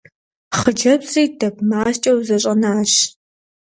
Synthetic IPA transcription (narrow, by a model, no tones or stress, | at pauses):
χəd͡ʒɐbsʼiːdɐpmaːʃt͡ʃʼɐwzɐɕ̬ʼɐnaːɕ